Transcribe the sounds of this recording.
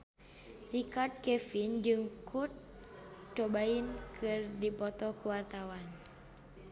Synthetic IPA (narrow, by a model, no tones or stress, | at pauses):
rikard̪̚kɛfind͡ʒɨŋkʰut̪̚ | t͡ʃɔbainkʰɨrdipɔt̪ɔkuwart̪awan